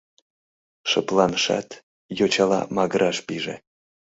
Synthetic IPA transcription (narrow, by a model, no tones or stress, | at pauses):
ʃɤplˠɑnʃɑ̰t̪ | jot͡ɕɑlɑ̰mɑɡəɾɑʃpiʒḛ